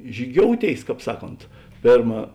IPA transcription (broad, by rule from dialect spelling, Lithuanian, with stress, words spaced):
ʒʲiːˈɡʲoːʊˌtʲeːɪs ˈkɑːp ˈsɑːˌkoːnt ˈpʲeːrmɐ